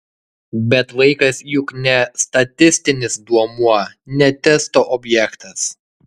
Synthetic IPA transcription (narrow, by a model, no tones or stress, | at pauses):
bʲɛt̪ʋɐɪkɐsjʊknʲɛst̪ɐt̪ʲɪsʲt̪ʲɪnʲɪsd̪uɔmuɔnʲɛt̪ʲɛst̪oːʔɔbʲjɛkt̪ɐs